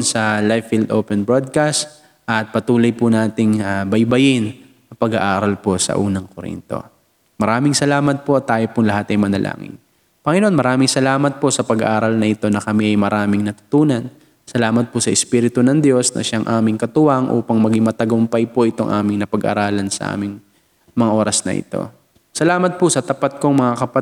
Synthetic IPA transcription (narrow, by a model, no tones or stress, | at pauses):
nsɐlajfːild̪ʔoːpɛnbɹod̪̚kast̪̚ | ʔɐt̪̚pɐt̪uːlojpʊnaːt̪ɪŋabɐjbɐjɪn | ɐpɐɡɐʔaːɾɐlpo̞sɐ̰ʔuːnɐŋkoɾḭnt̪o̞̰ | mɐɾaːmɪŋsɐlaːmɐt̪̚po̞ɐt̪ːaːjopʊŋlɐɦat̪ɐjmɐnɐlʔa̰ːŋɪ̰n | pɐŋɛnoʔonmɐɾaːmɪŋsɐlaːmɐt̪̚po̞sɐpɐɡɐ̰ʔaːɾɐlnɐʔɪt̪o̞nɐkɐmiʔɐjmɐɾaːmɪŋnɐt̪ʊ̥t̪uːnɐn | sɐlaːmɐt̪̚pʊsɐʔɪspiːɾɪt̪ʊnɐŋd̪jo̞snʔɐ̰ʃaŋʔaːmɪŋkɐt̪ʊwɐŋʔṵːpɐŋmɐɡiŋmɐt̪ɐɡʊmpɐjpoʔɪt̪o̞ŋʔa̰ːmɪŋnɐpɐɡʔɐ̰ɾaːlɐnsɐ̰ʔa̰ːmɪŋ | mɐŋaʔo̞ɾɐsnɐ̰ʔɪ̰t̪o̞̰ | sɐlaːmɐt̪̚pʊsɐt̪ɐpat̪̚ko̞ŋmɐŋakɐpɐ